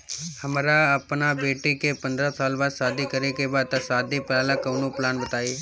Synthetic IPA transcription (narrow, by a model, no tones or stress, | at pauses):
həmɾaəpnabeːʈikepə̃nd̪ɾasaːlbaːd̪saːd̪ikəɾekebaːd̪̚t̪asaːd̪iplaːlãkəʋnũplaːnbət̪aːiː